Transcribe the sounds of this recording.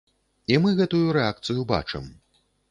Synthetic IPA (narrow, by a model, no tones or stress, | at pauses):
imɨɣɛt̪ujuɾɛak̚t̪sɨjuba̰t͡ʂɨ̰m